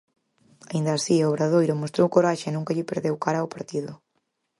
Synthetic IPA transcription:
aind̪ɐːsioβɾað̞ojɾomost̪ɾowkoɾaʃɪnũŋkɐʎɪpeɾðewkaɾaopaɾt̪iðʊ

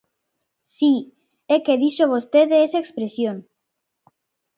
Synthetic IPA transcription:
si | ekeðiʃoβ̞ost̪eðeesaekspɾesjon

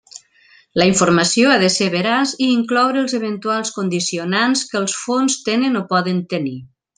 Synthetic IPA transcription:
ləiɱfuɾməsioaðəseβəɾaziːŋklɔwɾəːlˠzəβ̞ənt̪ualˠskond̪isionanskəːlˠsfonst̪enənopɔðənt̪əni

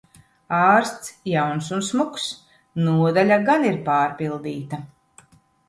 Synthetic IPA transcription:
ɑːɾst̪sjawnsunsmuks | nuɔd̪alʲaɡaniɾpaːɾpilˠd̪iːt̪a

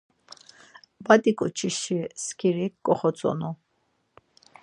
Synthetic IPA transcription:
bad̪ikʼut͡ʃʰiʃiskʰiɾikkʼɔχɔt͡sʼɔ̰nɔ

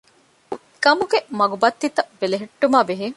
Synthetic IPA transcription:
kɐmuɡemɐɡubɐt̪ːit̪ɐʋeleɦeʈːumaːbeɦe

